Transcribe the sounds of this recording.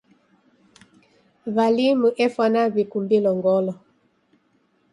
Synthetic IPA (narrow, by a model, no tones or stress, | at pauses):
βalimuʔɛfwanaβikumbilɔŋɡɔlɔ